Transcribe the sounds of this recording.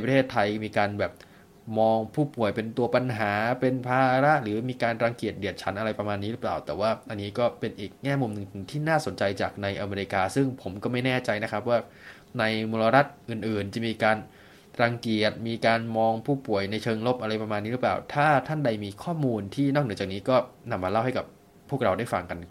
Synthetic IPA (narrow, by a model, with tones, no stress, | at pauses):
pɾt̪ʰeː˥˩t̪ʰːa˧jmiː˧kaː˧nbɛː˨˩p̚ | mɔː˧ŋpʰuː˥˩pu˨˩əjpe˧nt̪u˧ɐpa˧nɦaː˩˦pe˧npʰaː˧ɾa˦˥ʔɾɯː˩˦miː˧kaː˧nɾa˧ŋki˨˩ət̪̚di˨˩ət̪̚t͡ɕʰa˩˦˥nʔa˧ɾa˧jpɾa˧maː˧nːiː˦˥ɾɯ˦˥pla̰ː˨˩wt̪ɛː˨˩waː˥˩ʔa˧nːiː˦˥kɔː˥˩pe˧nʔiː˨˩k̚ŋɛː˥˩mu˧mnɯ˨˩ŋt̪ʰɯ˨˩˦ŋt̪ʰiː˥˩naː˥˩so˩˦nt͡ɕa˧jt͡ɕaː˨˩k̚na˧jʔa˧meː˧ɾi˧kaː˧sɯ˥˩ŋpʰo˩˦mkɔː˥˩ma˥˩jnɛː˥˩t͡ɕa˧jna˦˥kʰɾa˦˥p̬̚waː˥˩ | na˧jmoː˧la˧ɾa˦˥t̪̚ʔɯː˨˩nʔɯː˨˩nt͡ɕa˨˩miː˧kaː˧n | ɾaː˧ŋki˨˩ət̪̚miː˧kaː˧nmɔː˧ŋpʰuː˥˩pu˨˩əjna˧jt͡ɕʰɤː˧ŋlo˦˥p̚ʔa˧ɾa˧jpɾa˧maː˧nːiː˦˥ɾɯ˦˥plaː˨˩wt̪ʰaː˥˩t̪ʰa˥˩nda˧jmiː˧kʰɔː˥˩muː˧nt̪ʰiː˥˩nɔ˥˩nɯ˩˦t͡ɕaː˨˩k̚niː˦˥kɔː˥˩na˧mːaː˧la˥˩wha˥˩jka˨˩p̚ʰː | u˥˩ək̚ɾa˧wdaː˥˩jfa˧ŋka˧nː˩